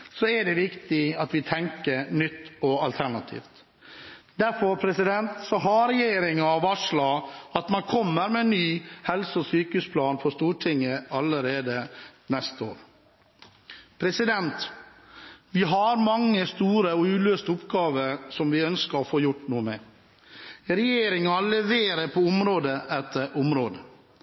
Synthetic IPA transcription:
sɔɛɖɛʋɪkt̪ɪɑt̪ʋɪt̪ʰɛŋkəɾnʏt̪ːɔɑlt̪ʰæɳɑt̪ʰḭːft̪ | d̪æɾfɔɾpʰɾɛsɪd̪ɛnt̪sɔɦɑɾɛjeːɾɪŋɑɑʋɑʂlɑːɑt̪mɑnkʰɔmːəɾmɛnnːyːhɛlsəɔsyːkəʉːspʰlɑːnfʰɔst̪uːʈʰɪŋːəɑləɾeːd̪ənɛst̪əo̰ːɾ | pʰɾɛsɪd̪ɛnt̪ | ʋɪɦɑɾmɑŋːəst̪uːɾəɔʉːløːst̪əʊpɡɑːʋəɾsɔmʋɪœnskəɾɔfoːjʊʈnuːəmɛː | ɾɛjeːɾɪŋɑlɛʋeːɾəɾpʰɔʊmɾoːd̪əɛt̪ʰːəʔʊmɾoːd̪ə

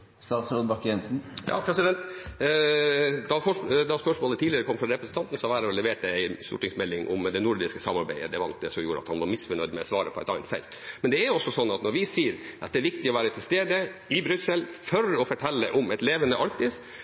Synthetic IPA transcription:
st̪ɑːt̪sɾunbɑkjɛnsn̩jɑ̰ːpʰɾɛsɪd̪ɛnt̪ | d̪ɑfɔʂd̪ɑspœʂmoːlət̪ʰiːlɪəɾəkʰɔmːfɾɑɾɛpɾəsn̩t̪ʰɑnt̪n̩sɔʋæːɾəɾɔlɛʋeːʈ̚dɛæɪst̪ṵːʈɪŋsmɛlːɪŋʔʊ̰md̪ɛnʊɾd̪ɪskəsɑmɑɾbæɪə̰d̪ɛʋɑɾɑ̰ld̪ɛsɔmjuːɾəɑt̪hɑnʋɑɾmɪsfœɳœʏd̪mɛɔsʋɑːɾəpʰɔɛ̰t̪ɑ̰nt̪fɛ̰lt̪mɛnd̪ɛæɾjʊɔsːɔsɔnːɑt̪nɔɾʋɪsiːəɾʔɑt̪̚ɛæːɾʋɪkt̪ɪɔʋæːɾət̪ʰɪlst̪eːd̪əɪbɾʉsəlfɔɾɔfɔʈʰɛlːəʔɔmɛt̪leːʋənəʔɑɾkt̪ɪs

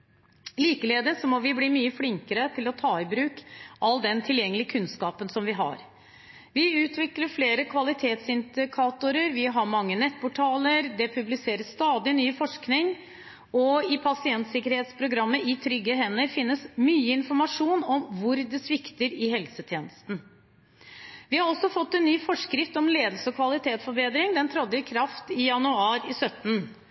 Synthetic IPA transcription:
liːkəleːd̪əsɔmɔʋɪbliːmyːəflɪŋkəɾət̪ʰɪlɔt̪ʰɑːɪbɾʉːkʔɑlːd̪ɛnt̪ʰɪljɛŋːəlɪəkʰʉnskɑːpənsɔmʋɪɦɑ̰ɾ | ʋɪʉːt̪ʰʋɪkləɾfleːɾəkʰʋɑlɪt̪ʰeːt̪sɪnd̪ɪkʰɑːt̪ʊɾəɾʋɪɦɑɾmɑŋːənɛt̪ːpɔʈʰɑːləɾd̪ɛpʰʉblɪseːɾəsst̪ɑːd̪ɪnyːfɔʂknɪŋ | ɔɪpʰɑsɪɛnt̪sɪkːəɾheːt̪spʰɾʊɡɾɑmːəʔɪt̪ʰɾʏɡəɦɛnːəɾfɪnːəsmyːəɪnfɔɾmɑʂuːnɔmʋʊɾd̪ɛsʋɪkt̪əɾɪhɛlsət̪ʰjeːnəst̪n̩ | ʋɪhɑɾɔsɔfɔt̪ːɛnːyːfɔʂkɾɪft̪ɔmleːd̪əlsəɔkʰʋɑlɪt̪ʰeːt̪sfɔɾbeːd̪ɾɪŋd̪ɛnt̪ʰɾɔd̪jəkʰɾɑft̪ɪjɑnʉɑːɾɪsœt̪ːn̩

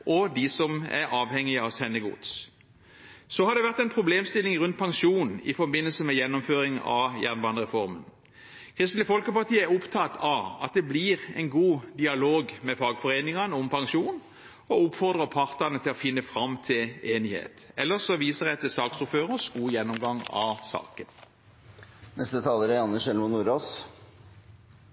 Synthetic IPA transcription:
ʔɔd̪ɪsɔmæ̰ɾɑːʋhɛŋːɪɑʋsɛnːəɡʊ̰d̪s | sɔhɑd̪ɛʋæʁt̪ɛɪnpʰʁʊbleːmst̪ɪlɪŋʁʉnt̪̚pʰɑŋʃuːn̩ɪ̰fɔbɪnːəlsəmɛjɛnːɔmføːɾɪŋɑ̰jæʁnbɑːnəʁɛfɔɾmən | kʰʁɪst̪lɪəfɔlkəpɑʁt̪ʰiːəæʊpt̪ʰɑt̪ʰɑɑ̰t̪̚d̪ɛbliʁɛ̰ɪnɡuːd̪ɪɑloːɡmɛfɑːɡfɔʁeːnɪŋɑnəʊmpʰɑŋʃuːn | ɔʊpfɔʁd̪ʁəpʰɑʁt̪ənət̪ʰɪlɔfɪnːəfʁɑmt̪ʰɪleːnɪhḛːt̪ɛlːəʁsɔʋiːsəʁɛt̪ːəsɑːksɔføːʁəsɡuːjɛnːɔmɡɑŋɑ̰sɑ̰ːkən | nɛst̪ət̪ʰɑːləɾəɑnːəʃɛlmɔnuːɾoːs

